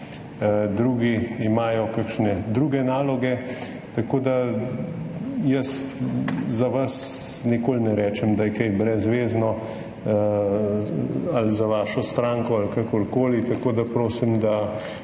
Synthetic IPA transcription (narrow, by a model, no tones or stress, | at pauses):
d̪ɾuːɡiimaːjɔkakʃnɛd̪ɾuːɡɛnaːlɔɡɛ | t̪akoːd̪a | jəs | zaʋas | nikoːlnɛɾɛːt͡ʃɛmd̪ajɛkɛjbɾɛzʋeːznɔ | alzaʋaːʃɔst̪ɾaːŋkɔalkakɔɾkoːlit̪akoːd̪apɾoːsimd̪a